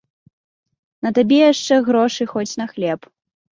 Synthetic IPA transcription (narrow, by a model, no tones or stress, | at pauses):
nɐt̪abʲɛjaʂt͡ʂɛɣɾɔʂɨxɔt͡sʲnɐxlʲɛp